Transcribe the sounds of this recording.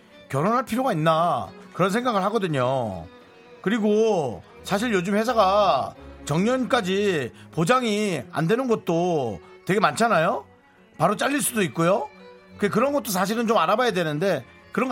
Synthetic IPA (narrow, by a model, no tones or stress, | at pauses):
kjʌɾonɦaɭpʰiɾjoɡainːakɯɾʌnsʰe̞ŋɡaɡɯɭɦaɡʌdɯɲo̰ | kɯɾiɡo | sʰaɕ̬ʰiɭjod͡ʑɯmɸwe̞s̬ʰaɡa | t͡ɕʌŋɲʌnk͈ad͡ʑipod͡ʑaŋia̰ndwe̞nɯnɡʌt̚t͈otwe̞ɡe̞mant͡ɕʰanajo | paɾot͡ɕ͈aʎːiɭs͈udoik̚k͈ojo | kɯɡek̬ɯɾʌnɡʌt̚t͈osʰaɕ̬ʰiɾɯnt͡ɕomaɾabajadwe̞nɯnde̞ | kɯɾʌŋ